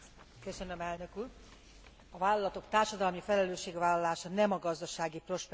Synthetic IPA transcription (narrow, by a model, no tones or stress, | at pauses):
køsø̞nø̞mɛlnø̞kuːr | ɒvaːlːɒlɒt̪o̞kt̪aːrʃɒd̪ɒlmifɛlɛløːʃːeːɡʋaːlːɒlaːʃɒnɛmɒɡɒzd̪ɒʃaːɡipro̞ʃp